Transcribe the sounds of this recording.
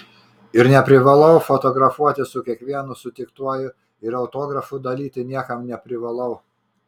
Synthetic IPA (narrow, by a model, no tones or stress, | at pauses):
ɪɾnʲɛpʲɾʲɪʋɐlˠɐʊfɔt̪oːɡɾɐfuɔt̪ʲɪsʊkʲiɛkʋʲiɛnʊsʊt̪ʲɪkt̪uɔjʊ | ɪɾɐʊt̪oːɡɾɐfʊd̪ɐlʲiːt̪ʲɪnʲiɛkɐmnʲɛpʲɾʲɪʋɐlˠɐʊ